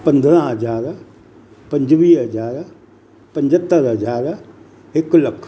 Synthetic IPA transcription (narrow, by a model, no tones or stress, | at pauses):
pɐ̃nd̪ɾãɦɐzaːɾ | pɐ̃ɲd͡ʒʋiːɦɐzaːɾ | pɐ̃ɲd͡ʒət̪ːəɾɦɐd͡ʒaːɾ | ɪklɐkʰ